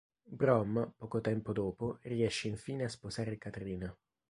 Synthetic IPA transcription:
bɾɔmpɔːkot̪ɛmpod̪oːporiɛʃːeiɱfiːneaspozaːɾekat̪ɾiːna

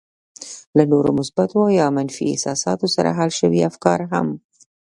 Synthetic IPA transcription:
lanoɾo̰mʊsb̥at̪oajɑmanfiɪ̰sɑsɑt̪osaɾa̰ɦalʃəwiafkɑɾɦa̰m

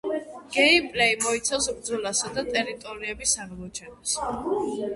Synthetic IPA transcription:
ɡ̥ɛipʼlɛimɔit̪sʰavsbɾd̪zɔlasad̪at̪ʼɛɾit̪ʼɔɾiɛbisaɾmɔt͡ʃʰɛns

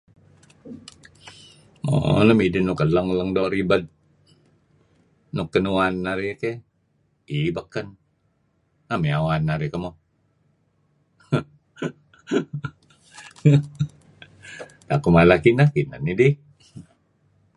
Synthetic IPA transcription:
o̰ləmidinukələŋləŋdɔɾibət̪̚ | nukːənuanːaɾike | ibakːən | ameawanːaɾikəmo | t̪akumalakinakina̰nidi

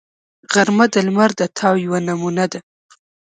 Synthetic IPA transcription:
ɣaɾmad̪əlmaɾd̪ət̪ʰɑwjwanamunad̪a

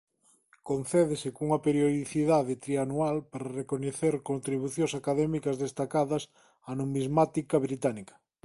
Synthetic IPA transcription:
kon̟θɛðesekuŋɐpeɾjoðiθiðaðet̪ɾianualpaɾɐrekoɲeθeɾkont̪ɾiβuθjõŋsakaðɛmikɐzðest̪akaðɐs | anomizmat̪ikɐβɾit̪anikɐ̥

